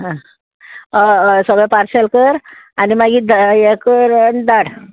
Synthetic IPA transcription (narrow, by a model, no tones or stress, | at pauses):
ɦã | səɡɭɛpaɾsɛlkəɾanimaɡiːd̪aekəɾd̪aɽ